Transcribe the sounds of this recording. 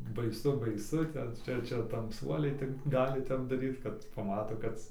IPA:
bɐɪˈsʊ bɐɪˈsʊ ˈtʲɛn ˈt͡ʃʲɛ ˈt͡ʃʲɛ tɐmˈsuɔlʲɛɪ tʲɪk ˈɡɑːlʲɪ ˈtʲɛp dɐˈrʲiːt kɐt pɐˈmɑːtoː ˈkɐt

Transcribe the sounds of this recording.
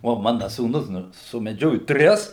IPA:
oː ˈmɑːnɐ suːˈnʊs ˈnʊ sʊmʲɛˈd͡ʒʲoːjʊ ˈtʲrʲɪs

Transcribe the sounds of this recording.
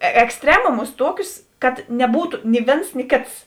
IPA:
ɛksʲˈtʲrʲæːmʊmʊs ˈtuɔkʲʊs kɐt nʲɛˈbuːtʊ nʲɪ ˈʋʲeːns nʲɪ ˈkʲeːts

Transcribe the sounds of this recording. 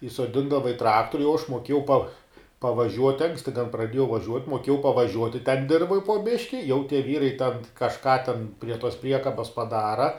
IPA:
iːsoːˈdʲɪndɐʋɐ ɪ ˈtrɑːktoːrʲʊ jɛʊ ɐʃ moːˈkʲeːjɛʊ pɐ pɐʋɐˈʒʲuɔtʲɪ ˈɐŋksʲtʲɪ tʲɛn prɐˈdʲiɛjɛʊ ʋɐˈʒʲuɔtʲ moːˈkʲiɛjɛʊ pɐʋɐˈʒʲuɔtʲɪ tʲɛn ˈdʲɪrʋoːj poː ˈbʲɪʃʲkʲɪ jɛʊ tʲiɛ ˈʋʲiːrɐɪ tʲɛn kɐʃˈkɑː tʲɛn pʲrʲiɛ toːs ˈpʲrʲiɛkɐbɐs pɐˈdɑːrɐ

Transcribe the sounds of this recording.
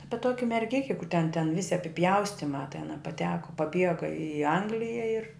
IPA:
ˈɑːpʲɪ ˈtoːkʲɪ mʲɛrʲˈɡʲɪkʲɪ kʊr tʲɛn tʲɛn ˈʋʲɪsʲɪ ɐpʲɪˈpʲjɛʊsʲtʲɪmɑː tʲɛn ɐ pɐˈtʲæːkoː pɐˈbʲiɛɡɐ ɪ ˈɐŋɡlʲɪjɛ ɪr

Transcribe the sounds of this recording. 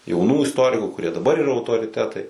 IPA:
jɛʊˈnuː ɪsˈtoːrʲɪkʊ kʊrʲiɛ dɐˈbɐr iːˈrɐ ɐʊtoːrʲɪˈtʲæːtɐɪ

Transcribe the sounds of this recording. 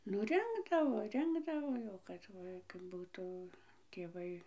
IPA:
nʊ ˈrʲɪŋɡdɐʋoː ˈrʲɪŋɡdɐʋoː jɛʊ ˈkɐt kɐt ˈbuːtʊ tʲeːˈʋɐɪ

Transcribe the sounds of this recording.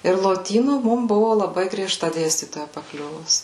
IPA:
ɪr lˠoːˈtʲiːnuː ˈmʊm ˈbʊʋʊ lˠɐˈbɐɪ ɡrʲiɛˈʃtɐ ˈdʲeːsʲtʲiːtoːjɛ pɐˈklʲʊʋʊs

